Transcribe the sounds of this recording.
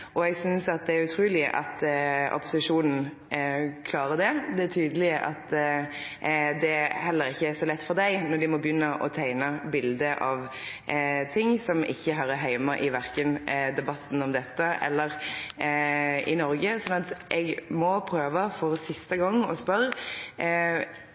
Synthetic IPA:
ʔɔɛɡsʏnsɑt̪̚d̪ɛæɾʉt̪ʰɾuːlɪʔɑ̰t̪ʔɔ̰pʊsɪʂuːnn̩ | kʰlɑːɾəd̪ɛd̪ɛæt̪ʰyːd̪əlɪəʔɑt̪ | d̪ɛhɛlːəɾɪçːəæɾsɔlɛt̪ːfɔʁd̪æɪnɔd̪ɪmɔbjʏnːəʔɔ̰t̪ʰæɪnəbɪld̪əʔɑʋ | t̪ʰɪŋːsɔmɪ̰çːəɦɑɾəɦæɪmɑʔɪʋæʁkənd̪ɛbɑt̪ːn̩ɔmd̪ɛt̪ːəʔɛ̰lːəʁ | ɪ̰nɔɾɡəsɔnːɑt̪ʔɛɡmɔpʰɾøːʋəfɔɾsɪst̪əɡɔŋːɔspœɾ

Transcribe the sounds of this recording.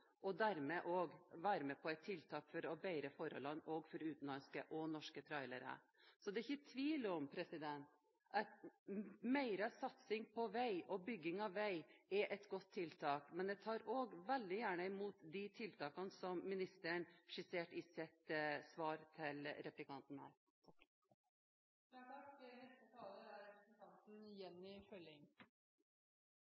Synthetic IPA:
ʔɔd̪æɾmɛʔoːɡʋæːɾəmɛpʰɔæɪt̪ʰːɪlt̪ʰɑːkfɔɾɔbæɪɾəfɔɾɔ̰lɑnɔːɡfɔɾʉːt̪n̩lɑnskəʔɔnɔʂkət̪ʰɾɑɪləɾə̰ | sɔd̪ɛɪçːət̪ʰʋiːlɔmpʰɾɛsɪd̪ɛnt̪ | ɑt̪ | mæɪɾəsɑt̪sɪŋpʰɔʋæɪɔbʏɡːɪŋɑʋʋæɪɛʔɛt̪ɡɔt̪ʰːɪlt̪ʰɑːkmɛnd̪ɛt̪ʰɑːɾoːɡʋɛld̪ɪjæːɳəɪmuːt̪d̪ɪt̪ʰɪlt̪ʰɑːkɑnsɔmmɪnɪst̪əɳʂɪseːʈɪsɪt̪sʋɑːɾt̪ʰɪlɾɛplɪkʰɑnt̪n̩hæ̰ːɾ | ɪnɛst̪ət̪ʰɑːləæɾɾɛsɪkʰɑnt̪n̩jɛnːɪfœlɪŋ

